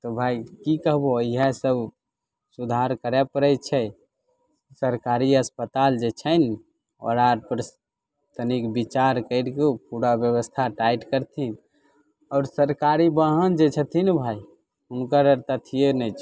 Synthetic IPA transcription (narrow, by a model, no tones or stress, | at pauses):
t̪ɔbʱaikikəɦboiɦɛsəb | sud̪ʱaɾkəɾɛpəɾət͡ʃʰɛ | səɾkaɾiəspət̪ald͡ʒet͡ʃʰən | ɔ̰ɾaɾpəɾ | t̪ənikbit͡ʃaɾkəɪɾkepuɾabjəβəst̪ʰaʈaiʈkəɾt̪ʰin | ɔːɾsəɾkaɾibəɦənd͡ʒet͡ʃʰət̪ʰinbʱai | unkəɾəɾt̪at̪ʰijenɛjt͡ʃʰ